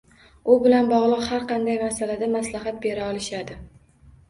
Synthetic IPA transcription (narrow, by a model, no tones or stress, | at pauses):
ʊbɪlanbɒʁlˠɨqhaɾqʰɑnd̪ajmasalad̪amaslaɦat̪̚be̞ɾaɒlɪʃad̪ɪ